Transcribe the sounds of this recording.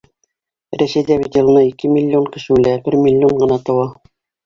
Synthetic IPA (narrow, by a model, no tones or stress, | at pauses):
ɾæsæjd̪æβit̪ʲĕlˠɤ̆nɑikɘmʲilʲːɪoŋkɘ̆ʃɘ̆ʉlæbɘɾmʲɪlʲːɪoɴɢɤ̆nɑt̪ɤ̆wɑ